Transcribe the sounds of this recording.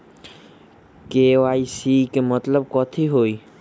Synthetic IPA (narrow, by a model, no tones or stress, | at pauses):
keʋaːisikemət̪ləb̚kɔːt̪ʰiɦoːi